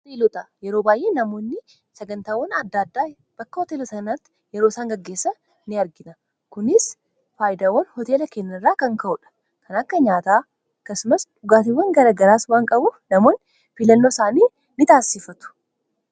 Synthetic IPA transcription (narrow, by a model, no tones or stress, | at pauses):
ɔt̪eːlɔt̪ɐjɛɾo̞ːbaːjʔe̞ːnɐmo̞ːnːɪ | sɐɡɐnt̪aːwɐnɐd̪ːaːd̪ːaː | b̥ɐkːɐhɔt̪eːlɔsɐnɐt̪ːɪ̥ | jɛɾoːsaːŋɡɐɡːe̞ːsːɐ | nɪɐɾɡɪnɐ | kʊnɪs | faːjɪd̪awːɐnhɔt̪e̞ːlɐkeːnːɐrːaːkɐŋkɐʔʊᶑɐ̥ | kʰɐnɐkːɐɲaːt̪aː | ɐkːɐsʊmɐsᶑʊɡaːt̪ɪwːɐŋɡɐɾɐɡɐɾaːswaːŋkʼɐbuːfnɐmo̞ːn | fɪlɐnːo̞ːsaːniː | nɪt̪aːsːɪfɐt̪ʊ̥